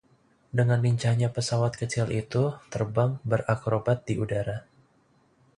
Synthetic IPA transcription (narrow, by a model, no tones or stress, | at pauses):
dəŋanliɲt͡ʃaɲapəsawat̪̚kət͡ʃɪlʔit̪ut̪ərbaŋbərʔakɾobat̪̚diʔudaɾa